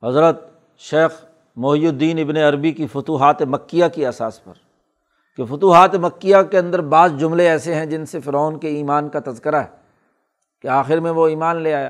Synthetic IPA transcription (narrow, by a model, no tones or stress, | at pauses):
ɦɐzɾət̪ | ʃeːx | mʊɦjud̪ːiːnɪbneɐɾbikifʊt̪uːɦaːt̪emɐkːijakiɐsaːspɐ̰ɾ | kefʊt̪uːɦaːt̪emɐkːijakeɐ̃nd̪əɾbaːzd͡ʒʊmleɛːseɦɛ̃d͡ʒɪnsefɪɾɔːnkeiːmaːnkat̪ɐzkəɾaɦɛ | keaːxɪɾmẽʋoiːmaːnleaːja̰ː